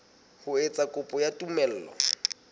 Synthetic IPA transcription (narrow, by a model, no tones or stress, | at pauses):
hʊet͡sʼakʼʊpʼɔjatʼumɛl̩ːlɔ̰